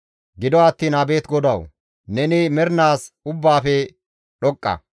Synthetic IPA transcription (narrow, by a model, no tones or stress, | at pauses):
ɡɪd̪ɔɐt̪ːiːnɐbe̞ːt̪ɡɔd̪ɐw | nɛnɪmɛɾnaːsʊbːaːfɛ | ɗɔkʼːɐ̰